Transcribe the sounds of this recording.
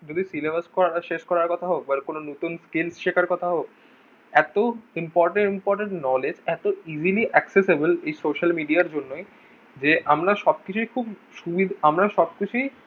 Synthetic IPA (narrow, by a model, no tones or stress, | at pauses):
d͡ʑod̪isilebaskɔɾaɾaʃeʃkɔɾaɾkɔt̪ʰaɦok̚balkononot̪unskelsʃekʰaɾkɔt̪ʰaɦok̚ | ɛt̪oimpɔɾʈeɳimpɔɾʈeɳʈnɔled͡ʑɛt̪oiziliʔɛksesebelejsoʃalmiɖiaɾd͡ʑonːoj | d͡ʑeʔamɾaʃɔb̚kit͡ɕʰujkʰubʃubid̪ʱamɾaʃɔb̚kit͡ɕʰuj